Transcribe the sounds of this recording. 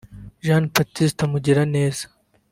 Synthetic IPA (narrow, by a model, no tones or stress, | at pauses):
ʒaːnpɐt̪ːist̪ʰɐmud͡ʑiɾɐneːz